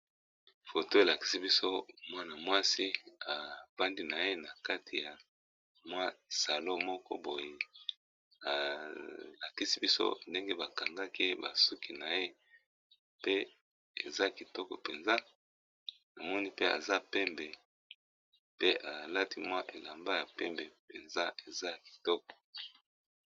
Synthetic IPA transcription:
fo˨to˦e˨la˨ki̥˦si˦bi˦so˦mwa˦na˨mwa˦si˦a˨ba˦ndi˦na˨je˦na˨ka˦ti˨ja˨ | mwa˦˨sa˨lo˦mɔ˦kɔ̰˦bo˨je˨ | a˨ | la˨ki˦si˦bi˦so̰˦nde˦ŋɡe˦ba˨ka˨ŋɡa˦ki˦ba˨su˦ki˨na˨je˦ | pe˦ | ḛ˨za˦ki˨tɔ˦kɔ̰˨pe˨nza˦ | na˨mɔ˦ni˦pe˦a̰˨za˦pɛ˦mbɛ˨ | pe˦ʔa˨la˦ti˦mwa˦ʔe˨la˨mba˦ja˨pɛ˦mbe˨pe˨nza˦ʔe˨za˦˨ki̥˨tɔ˦kɔ̥˨

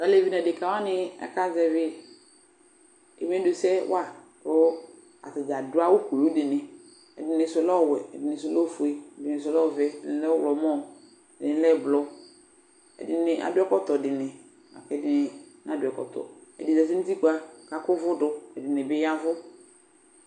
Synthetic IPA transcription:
ka˨le˦˨vi˦nɛ˨dɪ˨ka˨wa˦nɪ˦ɛ̰˦ka˦zɛ˨vɪ˦ | ḛ˨m˦ɛ˦do˨sɛ˦wa˦˨ | ɾʊ˦ | a̰˨tɪ˨d͡ʒa˨dʊ˦a˦wʊ˦ko˨o˦dɪ˨nɪ˨ | ɛ̰˨dɪ˨nɪ̃˨sʊ˦lɔ˦˨wɛ˨ɛ̰˨dɪ˨nɪ̃˨s̬ʊ˦lɔ˦fu˨e˦ɛ˨dɪ˨nɪ˨s̬ʊ˨˦lɔ˦˨vɛ˦ɛ̰˨dɪ˨n˦lɛ˦wlɔ˨mɔ˦ | ɛ˨dɪ˨nɪ˦lɛ˦˨blɔ˦ | ɛ̰˨dɪ˨nɪ˨ʔa̰˨dʊ˦ɛ˦kɔ˦tɔ˨dɪ˨nɪ˨ | a̰˨kɛ˨˦dɪ˦nɪ˦n˦a˦dʊ˨ɛ˨kɔ̰˨t̪ɔ̰˨ɛ̰˨dɪ˨zɛ˨s̬i˦n̩˦ti˦ku˦a˨ka˨kʊ˦vʊ˦dʊ˦ɛ˨dɪ˨nɪ˨bɪ˦ja˦vʊ˦

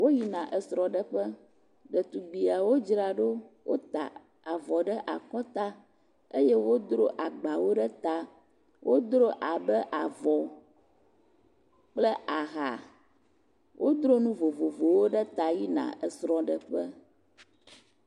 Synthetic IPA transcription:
wo˦ji˦nã˨ʔɛ˨sɾɔ̃˨ɖə˦ɸə˦ | ɖə˨t̪u˨ɡ͡bi˨a˨wo˦d͡ʒɾa˨ɖo˦wo˦t̪a̰˨ | a˨vɔ˨ɖɛ˦ʔa˨kɔ̃˦t̪a˦ | e˦jɛ˦wo˦d̪ɾo˦ʔa˨ɡ͡ba˨wo˦ɖɛ˦t̪a˦ | wo˦d̪ɾo˦ʔa˨bɛ˦ʔa˨vɔ˨ | k͡plə˦ʔa˨ɣa̰˨ | wʔo˦d̪ɾo˦nũ˦vo˨vo˨vo˨wo˦ɖɛ˦t̪a˨ji˦nã̰˨ʔɛ˨sɾɔ̃˦ɖə˨ɸə˦

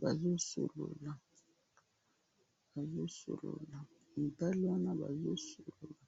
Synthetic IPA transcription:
ba˨zo˦so̰˨lo̰˨la˨ | ba˨zo˦so̰˨lo̰˨la˨ | m̩˨ta˦li˦wa˦na˦ba̰˨zo˦so˨lo˨la˨

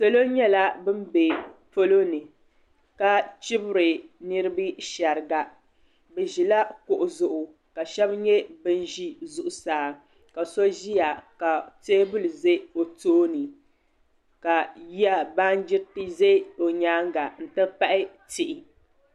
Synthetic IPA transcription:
so˨lo˦ɲɛ˦la˦bɨ˦m˦be˨fo˦lo˦nɨ˨ | ka˦t͡ʃi˦bɨ˦ɾɨ˨nɨ˦ɾɨ˦bɨ˦ʃa˨ɾɨ˨ɡa˨ | bɛ˨ʒi˨la˦kʊ˨ʔʊ˨zʊ˨ʔʊ˨ | ka˨ʃɛ˦bɲɛ˦bɨ˦n˦ʒi˦zʊ˨ʔʊ˨saː˨˦ | ka˨so˦ʒi˦ja˨ka˨teː˦bʊ˦lɨ˨ze˦o˨toː˦nɨ˨ | ka˨ji˦a˦ba˦n˦d͡ʒɪ˦ɾti˦ze˦o˨ɲaː˦ŋɡa˨n̩˨tɨ˦pa˦ʔɪ˦tɪ˨ʔɪ˨

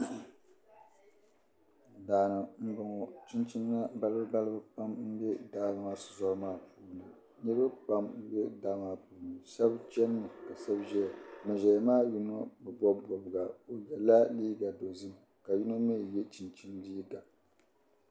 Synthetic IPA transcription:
daː˨nɨ˨m̩˦bɨ˨ŋɔ˨t͡ʃi˦nt͡ʃi˦n˦na˦ba˦lɨ˦bɨ˦ba˦lɨ˦bɨ˦pa˦mm̩˦bɛ˦daː˦˨na˨ma˦sɨ˨zɔ˦ɾmaː˦puː˦nɨ˨ | nɨ˦ɾbɨ˦pa˦m̩˦bɛ˦daː˦maː˦puː˦˨nɨ˨sɛ˦bt͡ʃɛ˦nː˦ɨ˨ka˨sɛ˦bʒɛ˦˨mɨ˨ʒɛ˨maː˦ju˦nɔ˦bɨ˨bɔ˦bbɔ˨bɨ˨ɡa˨o˨jɛ˨la˦liː˦ɡa˨do˨zɨ˦ma˨ka˨ju˦nɔ˦mɛ˦˨jɛ˦t͡ʃi˨nt͡ʃi˦ndi˦da˨

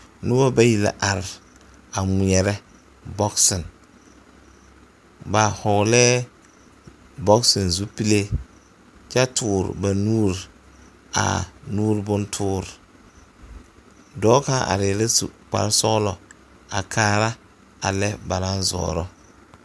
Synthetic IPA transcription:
nʊ˦o˦ba˦ji˨la̰˨ʔa˨ɾɪ˨ | a˨ŋi˨ɛ˨ɾɛ˦ | bɔ˦ksɪ˨n | ba˨hɔ˨lɛː˦ | bɔ˦ksɪ˨n˨zu˦pi˦le˦ | t͡ʃa˦tʰʊː˨ɾɪ̰˨ba˨nuː˦ɾ | a̰˨nuː˦ɾbʊ˦ntʰʊː˦ɾ | dɔː˦ka˦ʔa̰˨ɾɪ˨lɛ˦sṵ˨k͡pa̰˨ɾsɔ˦ɣlɔ˨ | a̰˨kʰaː˦ɾa˦ | a̰˨lɛ˦ba˨la˦nzɔ̰ː˨ɾɔ˦

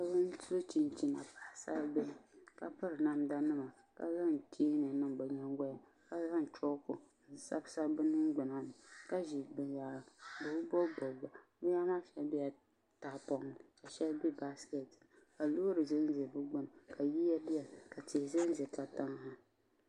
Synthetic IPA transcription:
ka˦bɨ˦n˦o˦t͡ʃi˦nt͡ʃi˦na˨pa˨˦˨sa˦lbɛ˦˨ka˨pɨ˦ɾɨ˨na˦mda˦nɨ˦ma˨ | ka̰˨za˦ŋt͡ʃiː˦nɨ˨nɨ˦˨m˨ba˨ɲɛ˦ŋ˦ɡa˦ja˨ | ka˦za˦ŋ˨t͡ʃɔ˦kʊ˨ | sa˦bsa˦bɨ˦nɨ˦ŋɡ͡bɨ˨na˦nɨ˨ka˦ʒi˨bɨ˨ja˨bɨ˨˦bɔ˦bɔ˨ba˨ | bɨ˦ja˦maː˦ʃɛ˦lbi˦a˨ | ta˨˦pɔ˦ŋ˨ka˨ʃɛ˦lbi˦ba˦ske˨t | ka˨lo˦ɾɨ˨ze˦n˦ze˨bɨ˦ɡ͡bɔ˦nɨ˨ka˨ji˦ja˦bɪ˦ɛ˨ka˨te˨ze˦n˦ze˨ka˨ta˦ŋ˦ha˦

